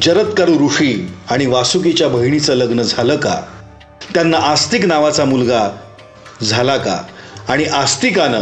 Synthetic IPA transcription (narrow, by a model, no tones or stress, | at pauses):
d͡ʑəɾət̪kəɾuɾuʂiːaɽ̃iʋasuk̬et͡ɕjabʱəɦiɳ̃it͡sələɡnəd͡zʱaləːka̰ | t̪janːaʔast̪ik̬naʋat͡samulɡa | d͡zʱalaka̰ːɽ̃iʔast̪ikanə